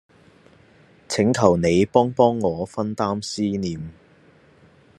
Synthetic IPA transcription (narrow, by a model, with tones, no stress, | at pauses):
t͡sʰɪ˨˥ŋkʰɐ˨˩wne˨˧jpɔː˥ŋpɔː˥ŋːɔː˨˧fɐ˥nt̪aː˥msiː˥niː˨m